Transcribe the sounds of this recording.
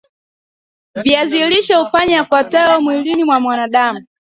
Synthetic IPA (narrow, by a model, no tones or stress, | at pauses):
viaziliʃaufaɲafatɛɔmwilinimwamwanaɗamu